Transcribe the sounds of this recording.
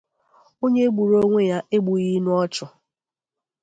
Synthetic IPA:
o˦ɲe˦ɡ͡bu˨ɾo˦ŋʷe˦ja˦ʔe˦ɡ͡bu˨ɣi˦nu˦ɔ˦t͡ʃʊ˨

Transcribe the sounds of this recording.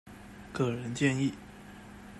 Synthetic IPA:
kɤ˥˩ɻə˧˥nt͡ɕjɛ˥˧ni˥˩

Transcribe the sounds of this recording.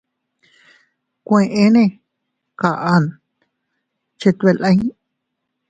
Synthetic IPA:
kʷẽ˧ʔẽ˧nẽ˦˧ | ka˧˨ʔa˧n | t͡ʃe˧t̪e˧lʔə̃˧j

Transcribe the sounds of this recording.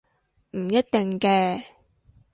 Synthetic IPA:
m̩˨˩jɐ˥t̚t̪ɪ˨ŋkɛː˧

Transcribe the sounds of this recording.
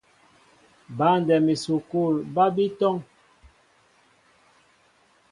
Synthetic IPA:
ba˨˦n˨dɛ˨mi˨su˨ku˦˨lba˦bi˦tɔ˦ŋ

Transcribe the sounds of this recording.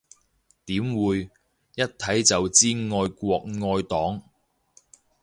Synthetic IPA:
t̪iː˨˥mwuː˨˧j | jɐ˥t̚t̪ʰɐ˨˥jt͡sɐ˨wt͡siː˥ŋɔː˧jkʷɔː˧k̚ŋɔː˧jt̪ɔː˨˥ŋ

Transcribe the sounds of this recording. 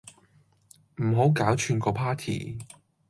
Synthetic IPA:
m̩˨˩ɦo˨˥wkaː˨˥wt͡ʃʰyː˧nkɔː˧pʰaː˥t̪ʰḭː˨˩

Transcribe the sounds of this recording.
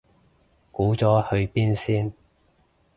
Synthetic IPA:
kuː˨˥t͡sɔː˨˥hɵ˧ɥpiː˥nsiː˥n

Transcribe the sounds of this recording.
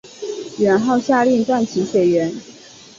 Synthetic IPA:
ɥɛ˧˥nxɑ˥˧ʊɕja˥˧lji˥˧ŋʈ͡ʂwa˥˩nt͡ɕʰi˧˥ɕwɛ˨˩ɪɥɛ˧˥n

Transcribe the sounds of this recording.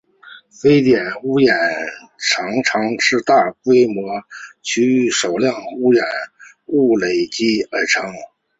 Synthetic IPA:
fe˥ɪt̪jɛ˨˩nu˥jɛ˨˩n | ʈ͡ʂʰɑ˧˥ŋʈ͡ʂʰɑ˧˥ŋʂɻ̩˥˧t̪a˥˩kwe˥ɪmwɔ˧˥t͡ɕʰy˥y˧˥˩ʂo˨˩ʊljɑ˥˩ŋu˥jɛ˨˩˦n | u˥˩le˨˩ɪt͡ɕi˥ə˞˧˥ʈ͡ʂʰɤ˧˥ŋ

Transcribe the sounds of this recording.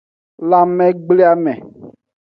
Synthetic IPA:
la˨mɛ̃˨ɡ͡ble˦a˦mɛ̃˨

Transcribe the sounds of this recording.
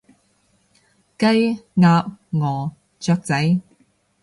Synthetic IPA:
kɐ˥jŋaː˧p̚ŋɔː˨˩ | t͡sœː˧k̚t͡sɐ˨˥j

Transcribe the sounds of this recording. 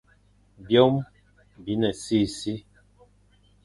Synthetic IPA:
bjo˦m | bi˨˦nɛ˨si˦˨si˦

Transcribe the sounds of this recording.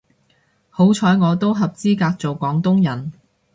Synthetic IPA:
ho˨˥wt͡ʃʰɔː˨˥jŋɔː˨˧t̪o˥wɦɐ˨p̚t͡siː˥kaː˧k̚t͡so˨wkʷɔː˨˥ŋt̪ʊ˥ŋjɐ˨˩n

